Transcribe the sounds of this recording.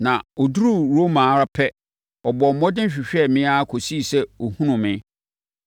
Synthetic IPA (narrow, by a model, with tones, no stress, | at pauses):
nã˨ɔ˨du˦ɾu˦˨ɾo˦mã˨˦ɾa˦pʰɛ˦ | ɔ˨bɔ˨m̩˨˦mɔ̃˦dɪ̃˦ɕᶣɪ˨ɕᶣɛ˦˨mɪ̃˦a˦kʰɔ˨si˦˨sɛ˦ɔ˨hũ˦nʊ̃˨mɪ̃˦